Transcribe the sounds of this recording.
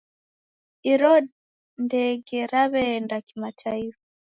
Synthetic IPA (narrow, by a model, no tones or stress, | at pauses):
iɾɔd | ndɛɡɛɾaβɛndakimatʰaifa